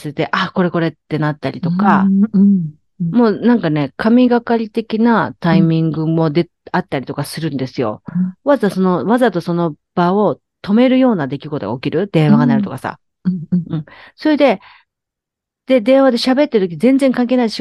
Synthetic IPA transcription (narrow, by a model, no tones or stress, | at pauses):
sɨt̪e̞ʔako̞ɾe̞ko̞ɾe̞t̪ːe̞nat̪ːaɾʲit̪o̞ka | mo̞ːnãŋkane̞kʰamʲiɡakaɾʲit̪e̞kʲinat̪aimʲĩŋɡɯ̟mo̞d̪e | at̪ːaɾʲit̪o̞kasɨɾɯ̟̃nd̪e̞sɨjo̞̰βazaso̞no̞βazat̪o̞so̞no̞ | b̥ao̞ | t̪o̞me̞ɾɯ̟jo̞ːnad̪e̞kʲiɡo̞t̪o̞ɡa̰o̞kʲiɾɯ̟d̪̥ẽ̞ɰ̃βaɡanaɾɯ̟t̪o̞kasa̰ | ɯ̟̃ɴso̞ɾed̪e̞ | d̪̥e̞d̪ẽ̞ɰ̃ad̪e̞ɕabe̞t̪ːeɾ̟t̪okʲiɲizẽ̞nd͡zẽ̞ŋkãŋk̬enaid̪eɕ